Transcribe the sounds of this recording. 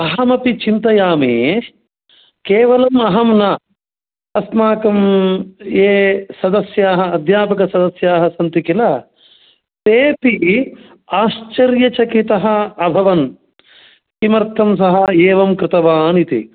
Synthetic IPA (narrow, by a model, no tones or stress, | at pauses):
ɐɦɐmɐpit͡ʃint̪ɐjaːmḭ | keːʋɐlɐmɐɦɐmnɐ | ɐsmaːkɐm | eːsɐd̪ɐsjaːɦɐɐd̪ʱjaːpɐkɐsɐd̪ɐsjaːɦɐsɐnt̪ikilɐ | t̪eːpi | aːʃt͡ʃɐɾjɐt͡ʃɐkit̪ɐɦɐɐbʱɐʋɐn | kimɐɾt̪ʰɐmsɐɦɐeːʋɐmkɾɪt̪ɐʋaːnit̪ḭ